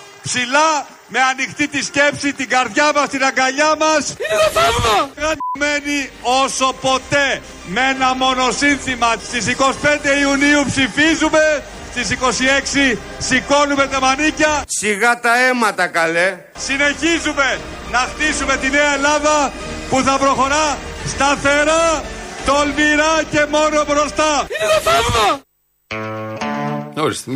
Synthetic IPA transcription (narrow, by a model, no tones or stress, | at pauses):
psilɐ | me̞ɐnixt̪it̪isce̞psit̪iɡɐɾðʝɐmɐst̪inɐɡɐʎɐmɐsiopɐoɣɐt̪ome̞nio̞so̞po̞t̪e̞ | meenɐmo̞no̞sinθimɐst̪is̬iko̞si̥pe̞nd̪e̞iuniupsifizume̞ | st̪is̬iko̞sie̞ksi | siko̞nume̞t̪ɐmɐnicɐsiɣɐt̪ɐe̞mɐt̪ɐkɐle | sine̞çizume̞ | nɐxt̪isume̞t̪ine̞ɐelɐðɐ | puθɐpɾo̞xo̞ɾɐst̪ɐθe̞ɾɐt̪o̞lmiɾɐce̞mo̞no̞bɾo̞st̪ɐ | oɾist̪